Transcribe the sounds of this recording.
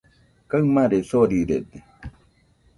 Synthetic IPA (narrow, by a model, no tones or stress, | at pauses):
kaɯmãɾesoɾiɾed̪e